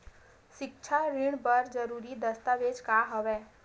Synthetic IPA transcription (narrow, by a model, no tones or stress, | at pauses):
ʃɪkt͡ʃʰaɾɪɽ̃bəɾd͡ʒəɾuːɾid̪əst̪aʋed͡ʒkaɦəʋɛː